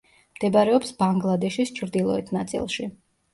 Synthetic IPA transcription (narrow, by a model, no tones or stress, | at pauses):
md̪̥ɛbaɾɛɔpsbaŋɡlˠad̪ɛʃist͡ʃʰɾd̪ilˠɔɛt̪ʰnat̪sʼḭlˠʃi